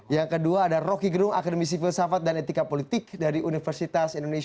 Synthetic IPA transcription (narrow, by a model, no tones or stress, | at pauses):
jaŋkəduaːdarokiɡəɾʊŋa̰kadəmis̬ifilsafat̪̚danet̪ikapolit̪ɪk̚daɾiʔunifərsit̪asindone